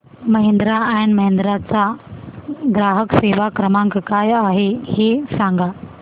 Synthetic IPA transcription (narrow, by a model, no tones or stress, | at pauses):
mɐɦẽnd̪ɾaɛ̃ːnmɐɦɪ̃nd̪ɾat͡ɕã | ɡɾaːɦəkseːʋakɾəmãkʰkaːjaːɦeheːsãːŋɡaː